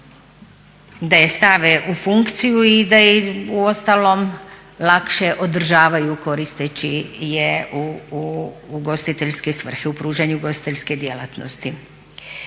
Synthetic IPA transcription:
d̪ajest̪aʋeʔufuŋkt̪sijuid̪aiuo̞st̪alo̞m | lˠakʃe̞ʔo̞d̪r̩ʒaːʋajuko̞ɾist̪et͡ɕijeu | ɡo̞st̪it̪e̞ʎske̞sʋr̩xeupɾuːʒaɲuɡo̞st̪i̥t̪eʎʲske̞d̪jela̰t̪nost̪i

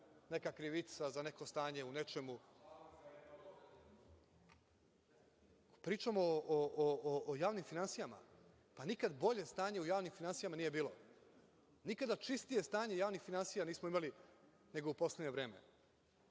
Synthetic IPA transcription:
ne̞kakɾiʋit̪sazane̞ko̞st̪aːɲe̞une̞t͡ʃe̞mu | pɾiːt͡ʃamoʔoʔoʔoʔojaːʋnimfinansijama̰ | panikad̪bo̞ʎe̞st̪aːɲe̞ujaːʋnimfinansijamaniːje̞biːlo̞ | nikad̪at͡ʃist̪ije̞st̪aːɲe̞jaːʋnixfinansijaniːsmoimali | ne̞ɡoupo̞sleɲeʋɾe̞ːme̞̰

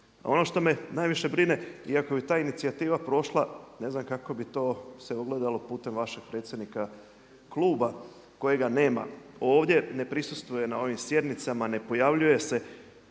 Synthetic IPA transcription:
o̞̰no̞ʃt̪o̞me̞naːjʋiʃe̞bɾine̞iako̞bit̪aːinit̪siat̪iːʋapɾo̞ʃlˠane̞znamkako̞bit̪o̞ːse̞oɡle̞d̪alo̞puːt̪e̞mʋaʃe̞ɡ̥̚pɾet̪sje̞d̪nika | kluːba | ko̞jeɡane̞ːma̰o̞ːʋd̪je̞ne̞pɾisust̪ʋuje̞nao̞ʋimsje̞d̪nit̪samane̞po̞jaʋʎuje̞se̞

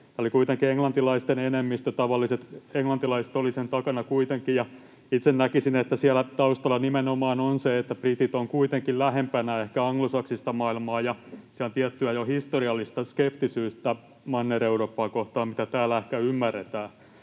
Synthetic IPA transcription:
t̪æːolikuit̪eŋkieŋlɑnt̪ilɑist̪enenemːist̪øt̪ɑʋɑlːiset̪eŋlɑnt̪ilɑise̥t̪olisent̪ɑkɑnɑkuit̪eŋkijɑ | it̪sennækisinet̪ːæsiælːæt̪ɑust̪ɑlːɑnimenomɑːnonseet̪ːæbrit̪it̪oŋkuit̪eŋkillæɦempænæehkæɑŋlosɑksist̪ɑmɑilmɑːjɑsiæont̪iɛt̪ːyæjohist̪oriɑlːist̪ɑskept̪isyːst̪æ | mɑnːereuroːpːɑːkoht̪ɑːmmit̪æt̪æːlæehkæymːærːet̪æː

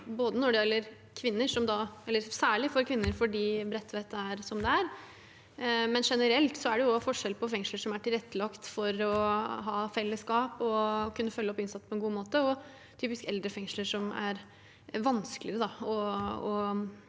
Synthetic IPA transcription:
boːd̪ənɔɖɛɛlːəɾ | kʰʋɪnːəʂɔmd̪ɑɛlːəɾsæːɭɪfɔɾkʰʋɪnːəɾfɔɖiːbɾɛt̪ʰːʋɛt̪ːæɾsɔmd̪ɛæɾ | mɛnʂɛnəɾɛlt̪sɔæɖɛjʊɔfɔʂɛlpʰɔfɛŋʂləʂɔmæʈɪlɛt̪ːəlɑkt̪fɔɾɔɦɑːfɛlːəskɑːpɔkʰʉnːəfœlːəɔpːɪnsɑt̪ːpʰɔɛnɡuːmoːt̪əɔ | t̪ʰyːpɪskɛld̪ɾəfɛŋʂləʂɔmæ̰ɾ | ʋɑnskəlɪɾəd̪ɑɔɔ

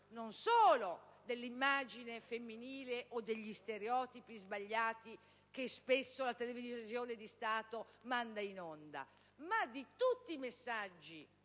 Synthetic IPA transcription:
nonsoːlod̪elːimːaːd͡ʒinefemːiniːleʔod̪ːeʎːist̪eɾeɔːt̪ipizbaʎːaːt̪i | k̟espesːolat̪elevizjoːned̪ist̪aːt̪omand̪ainɔnd̪a̰ | mad̪ːit̪ut̪ːiːmesːad͡ʒːi

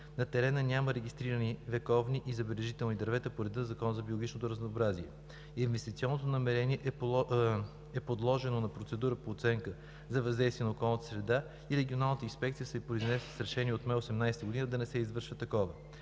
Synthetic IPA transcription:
nɐt̪ɛɾɛnənʲaməɾɛɡʲist̪ɾiɾənivɛkɔvniʔizɐbɛlɛʒit̪ɛlˠnid̪ɐɾvɛt̪əpoɾɛd̪inɐzɐkɔnəzɐbʲiolˠoɡʲit͡ʃnot̪oɾəznoːbɾaziɛ | invɛst̪it̪siɔnːot̪onɐmɛɾɛniɛʔ | ɛpod̪lˠɔʒɛnonɐpɾot̪sɛd̪uɾəpoːt̪sɛŋkə | zɐvɐzd̪ɛjst̪viɛnokɔlˠnət̪əsɾɛd̪a | iɾɛɡʲionalˠnət̪əinspɛk̚t̪sijəsɛpɾoiznɛsəsɾɛʃɛniɛot̪mɛosɛmnajsɛt̪əɡod̪inəd̪ɐnɛsɛizvɤɾʃvət̪ɐkɔvə

